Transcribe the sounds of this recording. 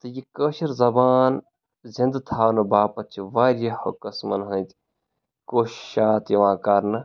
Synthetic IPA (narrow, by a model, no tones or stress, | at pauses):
t̪ɐjikəʃiɾzɐbaːn | zind̪t̪ʰaːwnɐbaːpɐt̪t͡ʃʰiʋaːɾjɐhɐ̰kɐsmɐ̰nɦɐ̃nʲt̪ | koːʃʃaːt̪jɐʋãːkaɾnɐ